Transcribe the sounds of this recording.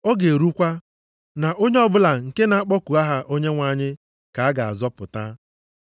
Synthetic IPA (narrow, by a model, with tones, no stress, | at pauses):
ɔ˦ɡe˨ɾu˦kʷa˦ | na˨ʔo˦ɲe˦ɔ˦bʊ˦la˨ŋ̩˨ke˦na˨a˦k͡pɔ˦ku˨a˦ɦa˦ʔo˦ɲe˦ŋʷa˨˦˨ɲɪ˦ | ka˨a˦ɡa˨a̰˨zɔ˦pʊ˨ta˦